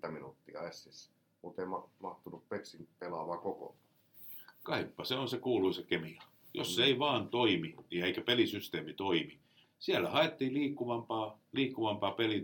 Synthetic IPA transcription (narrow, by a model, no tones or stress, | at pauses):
t̪æminṵt̪ːiɑ̰esːis | mut̪eimɑmɑht̪unuppeksinpelɑʋɑːkoko̰nɑ̥ | kɑipːɑseonsekuːluisekemikɑ | jo̰sːeiʋɑːnt̪oiminieikæpelisyst̪eːmit̪oimi | siælːæhɑet̪ːiːliːkːuʋɑmpɑːliːkːuʋɑmpɑːpeli